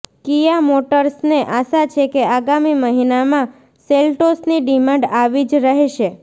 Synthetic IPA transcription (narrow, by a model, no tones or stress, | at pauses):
kijamoʈəɾsneʔaʃat͡ʃʰekeaɡamiməɦinamã | selʈosniɖimãɳɖaʋid͡ʒɾəɦeʃe